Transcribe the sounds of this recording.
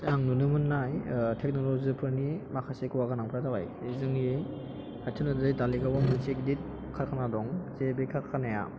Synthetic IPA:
jaŋnunɯmɯnːajtʰek̚nolɔzipʰɯɾnimakʰasekɯwaɡanaŋpʰɾadawaj | ezɯŋe | hatʰɯnɯdɯjdaliɡawamɯsek̚dit̚ | kʰakʰanadɔŋzebekʰaanaja̰

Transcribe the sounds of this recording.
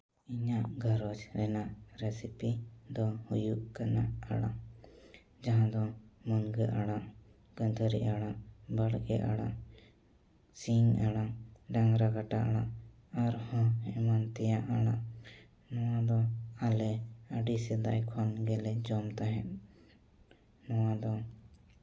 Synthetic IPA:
iɲaʔɡʱəɾɔd͡ʒɾɛnaʔɾɛsipid̪ɔhujuʔkanaʔa̰ɽa | d͡ʒaɦãd̪ɔmunɡəʔaɽaʔ | ɡəd̪ʰʱəɾḭʔaɽaʔbəɽɡɛ̰ʔa̰ɽa̰ʔ | siŋaɽaɖaŋɾaɡaʈaʔa̰ɽa | aɾhɔ̃ɛmant̪ɛjaʔaɽa | nɔwad̪ɔalɛəɖisɛd̪ajkʰɔnɡɛlɛd͡ʒɔmt̪aɦɛt̪̚ | nɔwad̪ɔ

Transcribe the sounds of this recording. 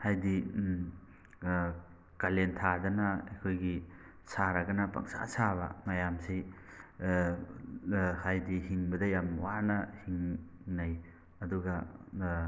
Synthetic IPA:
hajdi | kalentʰadɐnɐḛjkʰojɡi | saɾɐɡɐnɐpɐ̰ŋsa̰saβɐ̰mɐjamsi | hajdihiŋbɐdɐjamwanɐhiŋnaj | ɐduɡɐ

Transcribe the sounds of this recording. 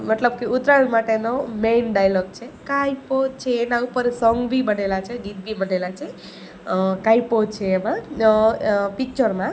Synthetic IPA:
məʈ̪ləb̚keʔut̪ɾalmaʈenomenɖajlɔɡ̚t͡ʃʰekajpod̪̚t͡ʃʰeːnaupəɾsɔŋɡbʱibənelat͡ʃʰeɡit̪̚bʱibənelat͡ʃʰe | kaipod̪̚t͡ʃʰeːmã | pik̚t͡ʃəɾmã

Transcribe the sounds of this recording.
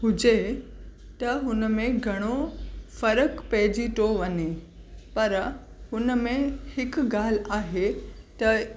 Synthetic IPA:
ɦʊd͡ʑe | t̪ɐɦʊnəmẽɡʱɐɽ̃ofɐɾəkpɐɦɪd͡ʑiʈ̪oʋɐɲe | pɐɾ | ɦʊnəmẽhɪkɡaːl̤aːɦet̪ɐ

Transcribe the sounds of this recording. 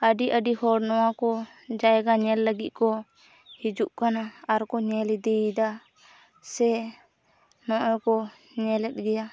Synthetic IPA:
əɖiʔəɖihɔɽnɔwakɔ | d͡ʒaɛɡaɲɛlːəɡit̪̚ˀkɔ | hid͡ʒuʔkanaaɾkɔɲɛlid̪ɛid̪a | sɛ | nɔʔɔkɔ | ɲɛlɛt̪̚ˀɡɛja

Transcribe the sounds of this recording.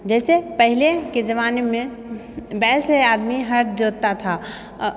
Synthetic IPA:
d͡ʒɛsepəɦileked͡ʒəʋanemẽ | bɛlsead̪miɦəɾʈd͡ʒot̪ːat̪ʰa

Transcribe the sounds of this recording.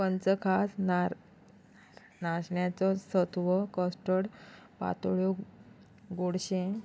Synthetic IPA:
pənt͡səkʰas | naɕɳjat͡sɔsət̪ʋəkəsʈəɽpa̰t̪oɭjo | ɡoɽɕẽ

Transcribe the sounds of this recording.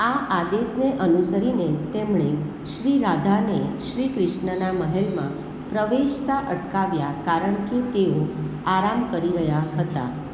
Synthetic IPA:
aʔad̪esneʔənusəɾinet̪emɳ̃e | ʃɾiɾad̪ʱaneʃɾikɾɪʃɳənaməɦelmã̰ | pɾəʋeʃt̪aʔəʈkaʋjakaɾəɳket̪eoaɾamkəɾiɾəjaɦət̪a̰

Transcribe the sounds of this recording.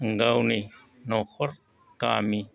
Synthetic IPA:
ŋɡawni | noxoɾ | kaːmi

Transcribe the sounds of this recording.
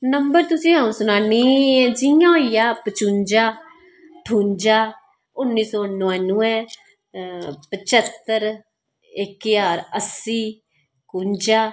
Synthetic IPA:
nəmbəɾt̪ʊsĩːãːũːsʊnaːniːɛd͡ʒijãːoijaːpət͡ʃũːɲd͡ʒaː | ʈʰuːɲd͡ʒaː | ʊnːiːsɔːnʋanʊɛ̃ː | pət͡ʃət̪ːəɾ | ɪkjaːɾəsiː | kuɲd͡ʒaː

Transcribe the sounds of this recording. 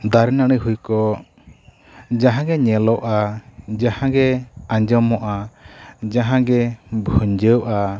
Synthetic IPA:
d̪aɾɛnaɽ̃əɦujkɔ | d͡ʒaɦãɡɛɲɛlɔwʔad͡ʒahãɡɛãɲd͡ʒɔmɔʔa | d͡ʒaɦãɡɛbʱuɲd͡ʒəwʔa

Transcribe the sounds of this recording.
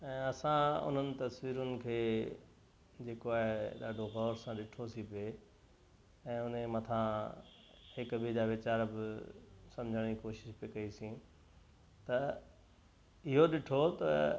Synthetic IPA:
ɛ̃ːɐsãʊ̰n̤ənɪ̆t̪ɐsʋiːɾʊnɪ̆kʰeː | d͡ʑeːkoaːɦeɗaːɖʱoɣɔːɾsãɗɪʈʰosʰipe | ɛ̃ːʊn̤ẽmɐt̪ʰã | hɪkbid͡ʑaːʋɪt͡ɕaːɾbɪsɐ̃md͡ʑʱəɽ̃ikoːʃɪ̥ʃpekɐisĩ | t̪ɐ | ɪɦoɗɪʈʰot̪ɐ̰

